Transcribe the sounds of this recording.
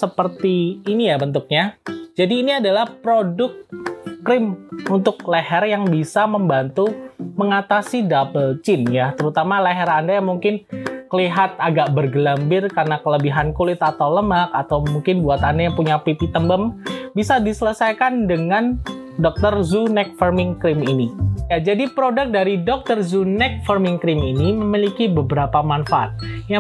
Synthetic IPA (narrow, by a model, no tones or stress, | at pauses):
səpərt̪iːnijabənt̪ʊk̚ɲad͡ʒadiːniadalahpɾodʊk̚ːɾɪmunt̪ʊk̚lehɛrjaŋbisaməmbant̪uməŋat̪asidapəlt͡ʃɪnjat̪əɾut̪amaleɦɛɾandajaŋmuŋkɪnkəliɦat̪̚aɡaʔbərɡəlambɪrkarnakələbiɦankulɪt̪at̪awləmakat̪awmuŋkɪnbuat̪andajaŋpuɲapipit̪əmbəmbisadisələsajkandəŋan | dɔk̚t̪ərzunɛk̚fərmɪŋkɾɪminijad͡ʒadipɾodək̚daɾidɔk̚t̪ərzunɛk̚fərmɪŋkɾɪminiməmilikibəbəɾapamanfaʔa̰t̪̚ja